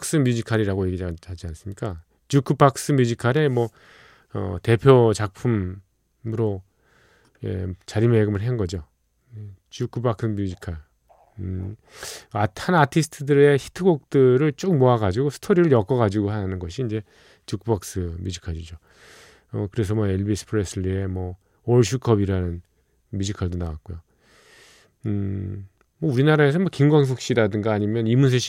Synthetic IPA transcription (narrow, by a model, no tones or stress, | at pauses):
ks͈ɯmjud͡ʑikʰaɾiɾaɡoje̞ɡihad͡ʑiansɯmɲik͈a | t͡ɕukʰɯpaks͈ɯmjud͡ʑʰikʰaɾe̞mwʌ | ʌ̰te̞pʰjot͡ɕak̚pʰum | ɯɾo | jḛt͡ɕaɾimeɡɯmɯɭɦenɡʌd͡ʑo | et͡ɕukʰɯbaksɯmjud͡ʑikʰaɭ | atʰanatʰisʰɯ̥tʰɯdɯɾe̞çi̥tʰɯɡok̚t͈ɯɾɯɭt͡ɕ͈ok̚moaɡad͡ʑiɡosʰɯ̥tʰoɾiɾɯɭjʌk͈ʌɣad͡ʑiɡoɦaanɯnɡʌɕʰiːnd͡ʑe̞ | t͡ɕukʰbak̚s͈ɯmjud͡ʑikʰaɾid͡ʑo | ʌkɯɾe̞s̬ʰʌmwʌe̞ɭbisʰɯ̥pʰɯɾes͈ʰɯɭːie̞mʌ | oɭɕ̬ʰukʰʌbiɾanɯn | mjud͡ʑikʰaɭdonawak̚k͈ojo | mwʌuɾinaɾae̞sʰʌmwʌkimɡwaŋs̬ʰok̚ɕ͈iɾadɯŋɡaːɲimjʌnimunsʰeɕi̥